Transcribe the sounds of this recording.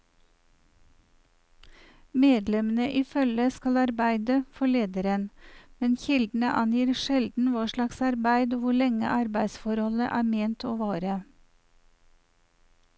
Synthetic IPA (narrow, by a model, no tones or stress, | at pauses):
meːd̪lɛmən̩əʔiːfœləskɑlɑɾbæɪd̪əfɔɭeːd̪əɾənmɛnçɪld̪n̩əʔɑnjiːɾʃɛld̪n̩ʋɑːʃɭɑksɑɾbæɪd̪oːʋʊɭɛŋə̰ʔɑɾbæɪsfɔɾhɔləʔæːmeːnt̪oːʋɑːɾə